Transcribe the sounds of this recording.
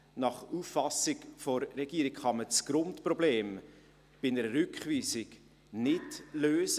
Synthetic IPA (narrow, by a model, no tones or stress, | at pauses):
nɑχufːɑsɪkfɔɾːɛɡ̥iːɾɪkχɑmət͡sɡ̥ɾʊntprɔbleːm | b̥ɪnɛɾəɾʏkχviːsɪk | nɪtløːsə